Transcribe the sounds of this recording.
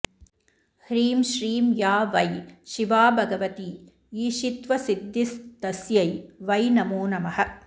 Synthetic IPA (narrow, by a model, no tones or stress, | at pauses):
hɾiːmʃɾiːmjaːʋɐjʃiʋaːbʱɐɡɐʋɐt̪i | iːʃit̪ʋɐsid̪ʱːist̪ɐsjɐjʋɐjnɐmuːnɐmɐhɐ̆